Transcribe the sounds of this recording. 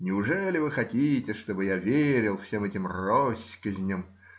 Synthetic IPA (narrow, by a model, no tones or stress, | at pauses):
nʲɪʊʐɛlʲɪvɨxɐtʲitʲɪʂt̪obɨjavʲeɾʲɪlˠfsʲemɛtʲɪmrosʲkəzʲnʲəm